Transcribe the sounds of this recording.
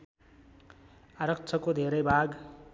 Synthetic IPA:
aɾʌk̚t͡sʰʌkod̪ʱeɾʌjbʱaɡ

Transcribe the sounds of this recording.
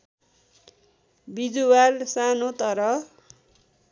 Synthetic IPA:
bid͡zuwalsanot̪ʌɾʌ

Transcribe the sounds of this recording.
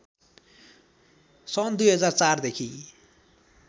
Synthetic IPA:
sʌnd̪ujɦʌd͡zart͡sard̪ekʰi

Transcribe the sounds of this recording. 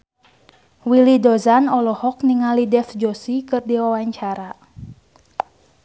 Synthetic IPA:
wilidɔzanɔlɔhɔkniŋalidɛfd͡ʒɔsikɨrdiwawaɲt͡ʃaɾa

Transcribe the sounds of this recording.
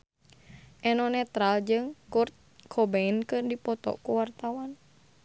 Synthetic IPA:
ʔɛnɔnɛt̪ɾald͡ʒɨŋkurt̪̚kʰɔbɛinkɨrdipɔt̪ɔ̰kuwart̪awan

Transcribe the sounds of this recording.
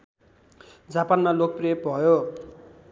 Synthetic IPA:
d͡zapanmalok̚priep̚bʱʌjo

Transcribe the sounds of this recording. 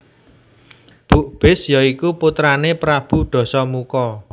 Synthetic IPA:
b̥ṳʔb̥ɪ̤sjɔikuput̪ɾanepɾab̥ṳɖ̥ɔ̤sɔmukɔ

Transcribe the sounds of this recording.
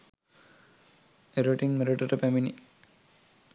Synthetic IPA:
eɾoʈiŋmeɾoʈɐʈəpæminḭ

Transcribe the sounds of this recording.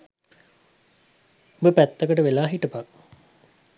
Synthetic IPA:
bəpæt̪ːəkəʈəʋelaːɦiʈəpak

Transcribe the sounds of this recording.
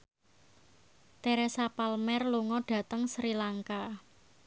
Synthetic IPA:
t̪eɾɛsapalmɛrluŋɔɖ̥ä̤t̪əŋsɾilaŋka

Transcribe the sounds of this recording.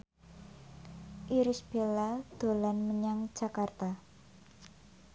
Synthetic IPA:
ʔiɾisb̥elad̪̥o̤lanməɲaŋ̥d͡ʒ̥akart̪a

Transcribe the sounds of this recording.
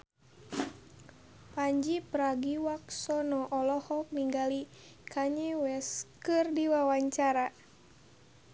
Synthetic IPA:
paɲd͡ʒipəɾaɡiwak̚sɔnɔʔɔlɔhɔk̚niŋɡali | kʰaɲɛwɛskɨrdiwawaɲt͡ʃaɾa

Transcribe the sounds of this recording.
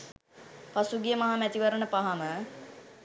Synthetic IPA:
pasuɡijəmɐɦamæt̪iʋəɾənəpaɦamə

